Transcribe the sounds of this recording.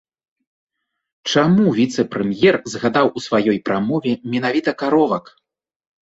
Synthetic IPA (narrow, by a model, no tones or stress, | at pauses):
t͡ʂamuvʲit̪sɛpɾɛmjɛrzɣad̪awusvajɔjpɾamɔvʲɛmʲɛnavʲit̪ɐkaɾɔvɐk